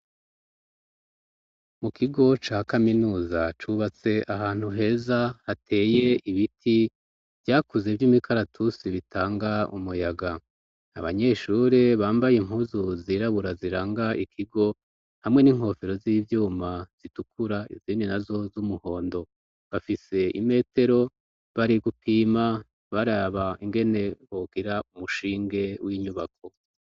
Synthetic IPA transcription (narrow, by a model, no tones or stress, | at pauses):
mukʰiɡo̞t͡ʃaːkaminuːzat͡ʃuβat͡se̞ʔahaːn̥huɦe̞ːzahatʰe̞ːje̞iβitʰi | vjaːkuze̞vjumikʰaɾatʰusiβitʰaːŋɡaṵmujaɡa | a̰βa̰ɲe̞ːʃuːɾeβaːmbajem̥ɦuːzuziɾaβuɾaziɾaːŋɡaikʰiɡo̞ | hamŋe̞niŋ̥ho̞feɾo̞ziːvjuːmaz̥itukuɾaḭziːndinazo̞zumuho̞ːndo̞ | βafise̞ḭme̞ːte̞ɾo̞ | βaɾiɡupʰiːma | βaɾaβaiŋɡe̞ne̞βoɡiɾaumuʃiːŋɡe̞wiɲuβak̚ʰo̞